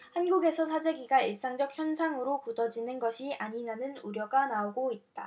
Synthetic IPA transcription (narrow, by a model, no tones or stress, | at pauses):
hanɡuɡe̞sʰʌsʰad͡ʑe̞ɡiɡaiɭs͈aŋd͡ʑʌk̚çjʌnsʰaŋɯɾokudʌd͡ʑinɯnɡʌɕʰiʔaɲinanɯnuɾjʌɡanaoɡoit̚t͈a